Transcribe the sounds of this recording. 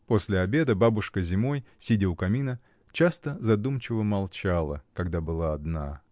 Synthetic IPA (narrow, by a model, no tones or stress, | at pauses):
po̞sʲlʲɪɐbʲe̞d̪əbabʊʂkəzʲɪmo̞jsʲidʲɪʊkɐmʲinə | t͡ɕast̪əzɐd̪umt͡ɕɪvəmɐlˠt͡ɕalˠə̰kɐɡd̪abɨlˠaːd̪na